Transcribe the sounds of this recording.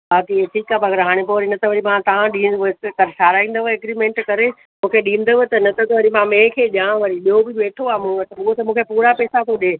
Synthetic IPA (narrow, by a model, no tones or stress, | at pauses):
baːkiʈʰiːkaːbɐɡəɾɦaːɽ̃epoʋɐɾinɐt̪ʰəʋɐɾimãt̪ɐʋ̤ãɗĩːʋekɐɾsʰaːɾaːĩːn̆d̪oʋeɡɾimẽːɳʈkɐɾe | mũːkʰeɗĩːnd̪əʋɪt̪ɐnɐt̪ʰɐt̪ɐʋɐɾimãmẽːkʰeːʄãːʋɐɾiɗijobɪʋeːʈʰoaːmũt̪ɐɓʊɦot̪ɐmũːkʰepuːɾapɛːsat̪ʰoɗeː